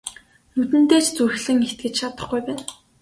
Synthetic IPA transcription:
nut̪ɘ̆nt̪eːt͡ɕt͡sur̆xɮɘ̆ŋext̪̚ɡɘ̆t͡ɕt͡ɕʰat̪ə̆χɡujpæːn

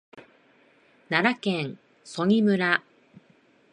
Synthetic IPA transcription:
naɾakẽɴ̃ | so̞ɲ̟ʲimɯ̟ɾa

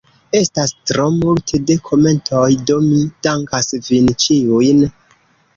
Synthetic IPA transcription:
e̞stastɾo̞multʰede̞kʰo̞me̞ntʰojdomid̥aŋkasvint͡ʃijujn

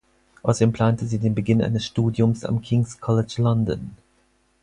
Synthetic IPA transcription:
ʔaʊsd̥eːmpʰl̥aːntəziːdeːnbəɡɪnʔa̰ɪnəsʃtuːdjʊmsa̰mkʰɪŋskʰɔlɪt͡ʃlɔndɔ̰n

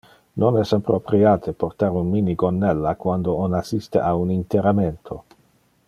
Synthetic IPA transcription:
nonɛsapɾopɾiaːt̪ʰeport̪aɾunminiɡonːɛlːakwand̪oonasist̪eʔaunint̪eɾament̪ʰo

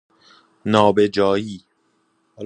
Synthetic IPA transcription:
nɒːbe̞d͡ʒɒːjiː

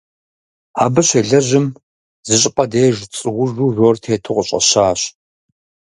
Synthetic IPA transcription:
aːbɨɕeːɮɐʑɪm | zɨɕʼɪpʼɐdeːʒt͡sʼɨwʊʒuːroːrtʰeːtʰɨqʷʼəɕʼɐ̰ɕaːɕ

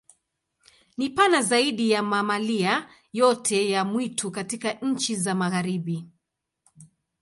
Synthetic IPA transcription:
nipanazaiɗijamamalia | jɔtʰɛjamwitʰukatikaɲ̩t͡ʃizamaɣaɾiɓi

